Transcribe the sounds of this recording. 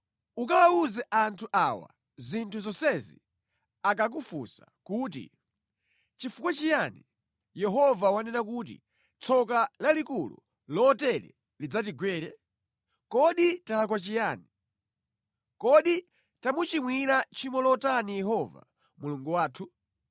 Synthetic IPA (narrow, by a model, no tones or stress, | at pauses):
ukawauzɛʔantʰuʔawa̰ | zintʰuzɔsɛzḭ | akak̬ufṵsa̰kuːt̬ḭ | t͡ʃifukwat͡ʃijani | jɛɦɔvawanɛnakuːt̬ḭ | t͡sʰɔkalalikulṵ | lɔtɛɾɛ̰ | lid͡zatiɡwɛːɾɛ | kɔɗitalakwat͡ʃijaːni | kɔɗi | tamut͡ʃimwiɾat͡ʃimɔlɔtanijɛɦɔva̰ | muluŋɡuwaːtʰu